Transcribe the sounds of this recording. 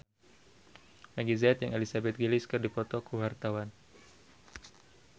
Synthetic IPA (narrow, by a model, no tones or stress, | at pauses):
maɡizaːt̪jaŋelisabɛt̪̚ɡiliskɨrdipɔt̪ɔkuɦart̪awan